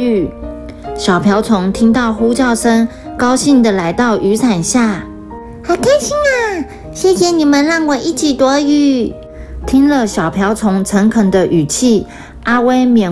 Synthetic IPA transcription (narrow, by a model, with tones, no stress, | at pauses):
y˨˩ | ɕjɑ˨˩ʊpʰjɑ˧˥ʊt͡sʰʊ˧˥ŋt̪ʰi˥ŋt̪ɑ˥˩ʊxu˥t͡ɕjɑ˥˩ʊʂə˥ŋ | kɑ˥ʊɕi˥˩nd̪ə˨la˧˥ɪt̪ɑ˥˩ʊʔy˧˥t͡sʰa˨˩nɕja˥˩ | xa˨˩ɪkʰa˥ɪɕi˥ŋa˥˨ | ɕjɛ˥˩ɕjɛ˨˩ni˨˩mə˨nɻɑ˥˩ŋwɔ˨˩ʔi˥˩t͡ɕʰi˨˩t̪wɔ˧˥y˧˥˩ | t̪ʰi˥ŋlə˨ɕjɑ˨˩ʊpʰjɑ˧˥ʊt͡sʰʊ˧˥ŋt͡sʰə˧˥ŋkʰə˨˩ŋd̪ə˦ʔy˨˩t͡ɕʰi˥˩ | a˥we˥ɪmjɛ˨˩